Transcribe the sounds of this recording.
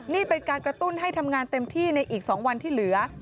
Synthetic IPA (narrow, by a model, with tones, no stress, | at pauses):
niː˥˩pe˧nkaː˧nkɾa˧t̪u˥˩nɦa˥˩jt̪ʰa˧mŋaː˧nt̪e˧mt̪ʰiː˥˩na˧jʔiː˨˩k̚sɔː˩˦ŋwa˧nt̪ʰiː˥˩lɯ˩˦ɐ